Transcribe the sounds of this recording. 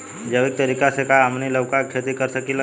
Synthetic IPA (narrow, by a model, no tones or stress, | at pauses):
d͡ʒəʋek̚t̪əɾikasekaəmniləwkakʰet̪ikəɾsəkilə